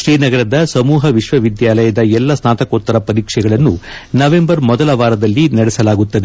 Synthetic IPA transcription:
ʃɾiːnɐɡɐɾɐd̪ɐsɐmuːɦɐʋiʃʋɐʋid̪jaːlɐjɐd̪ɐɛlːɐsnaːt̪ɐkoːt̪ːɐɾɐpɐɾiːkʂɛɡɐɭɐnːunɐʋe̞mbɐɾmɔd̪ɐlɐʋaːɾɐd̪ɐlːinɐɽɛsɐlaːɡut̪ːɐd̪e

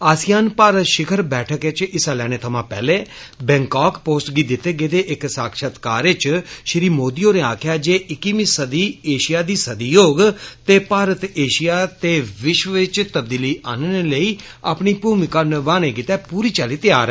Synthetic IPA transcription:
aːsɪjaːnpaːɾət̪ʃɪkʰəɾbɛːʈʰəkɪt͡ʃɪsãlɛːɽ̃eːt̪ʰəmãːpɛ̰ːleː | bɛ̃ŋkaːkpoːsʈɡiːd̪ɪt̪ːeːɡeːd̪eːʔɪksaːkʃət̪kaːɾɪt͡ʃʃɾiːmoːd̪ijõːneaːkʰjaːd͡ʒeːʔɪkːimĩːsəd̪iːeːʃɪjaːd̪iːsəd̪ijoːɡt̪eːpaːɾət̪eːʃɪjaːt̪eːʋɪʃʋəʋɪt͡ʃt̪əb̚d̪iːliːaːnneləiː | aːpɳiːpuːmɪkaːnəʋaːñeːɡɪt̪ɛːpuːɾiːt͡ʃaːliːt̪ɪjaːɾ

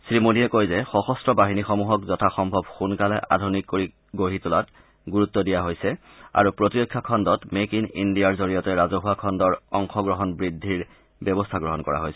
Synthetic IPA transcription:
sɹimodijɛkojzɛxɔxɔstɹɔbaɦinixɔmuɦɔkzɔtʰaxɔmbʱɔbxunkalɛʔa̰dʱunikkoɹi | ɡoɦitulat | ɡuɹut̪ːɔdijaɦojsɛ | a̰ɹupɹotiɹɔkʰːakʰɔndɔtmekinindijaɹzoɹijɔtɛɹazɔɦuakʰɔndɔɹɔŋxɔɡɹɔɦɔnbɹidʱːiɹ | bɔbɔstʰaɡɹɔɦɔnkɔɹa̰ɦojsɛ

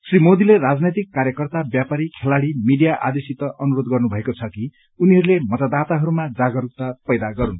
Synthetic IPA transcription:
srimod̪ilerad͡znet̪̬ikːaɾjʌkʌrt̪abjapaɾikʰelaɽimiɖijaʔa̰d̪esit̪ʌʔʌnuɾod̪ɡʌrnubʱʌekot͡sʰʌki | uniɦʌɾulemʌt̪ad̪at̪aɦʌɾumad͡zaɡʌɾuk̚t̪apʌjd̪aɡʌɾun

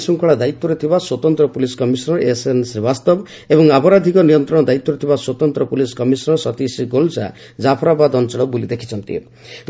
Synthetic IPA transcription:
suŋkʰɔɭad̪ait̪ːɔɾet̪ʰibaswɔt̪ɔnt̪ɾɔpuliskɔmisɔnɔɾesensɾebast̪ɔb | ebɔŋapɔɾad̪ʱikɔnijɔnt̪ɾɔɽɔd̪ait̪ːɔɾet̪ʰibaswɔt̪ɔnt̪ɾɔpuliskɔmisɔnɔsɔt̪isiɡolsa̰ | d͡ʒapʰɔɾabad̪ɔnt͡ʃɔɭɔbulid̪ekʰi̥t͡ʃʰɔnt̪ḭ

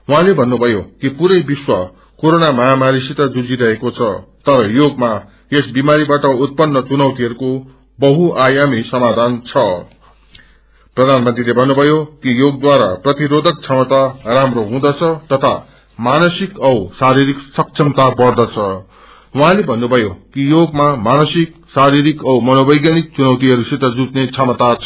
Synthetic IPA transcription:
wɦãlebʱʌnːubʱʌjokipuɾʌjbiswa | koɾonamʌɦamaɾisit̪ʌd͡zud͡ziɾʌɦekot͡sʰʌt̪ʌɾʌjoɡma | esbimaɾibaʈʌut̪̚pʌnːʌt͡sunʌwt̪iɦʌɾuko | bʌɦuʔajamisʌmad̪ʱant͡sʰʌ | prʌd̪ʱanmʌnt̪rilebʱʌnːubʱʌjokijoɡ̚d̪waɾa̰prʌt̪iɾod̪ʱʌk̚t͡sʰʌmʌt̪aramroɦũd̪ʌt͡sʰʌt̪ʌt̪ʰa̰ | manʌsikʌsaɾiɾiksʌksʰʌmt̪apʌrd̪ʌt͡sʰʌ | wuɦãlebʱʌnːubʱʌjokijoɡmamanʌsik̚saɾiɾikʌwmʌnobʌjɡjanik̚t͡sunʌwt̪iɦʌɾusit̪ʌd͡zut̪net͡sʰʌmʌt̪at͡sʰ

